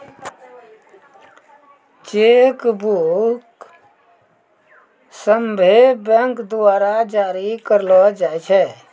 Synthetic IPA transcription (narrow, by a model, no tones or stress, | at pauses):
t͡ʃekbuk | səmbʱebə̃ŋkd̪ʊaːɾad͡ʒaːɾikəɾlɔd͡ʒaːɛt͡ʃʰɛ